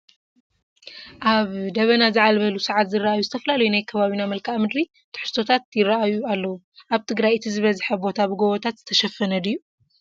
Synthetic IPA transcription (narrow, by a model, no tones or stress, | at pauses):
ʔaβd̪ɐβɐnazɨʕalβɐlusɨʕat̪zɨraʔajuzɨt̪ʰɐfɐlalɐjunajkʰɐβaβinamɐlkʰaʔmɨd̪ɾi | t̪ʰɨ̥ħɨ̥st̪ʰo̞t̪ʰat̪̚jɪrːaʔajualːɐwu | ʔaβt̪ʰɨɡɾajɨt̪ʰizɨβɐzħɐbo̞t̪ʰabɨɡoβot̪ʰat̪z̥ɨt̪ʰɐʃɐfɐnɐd̪ɨjːu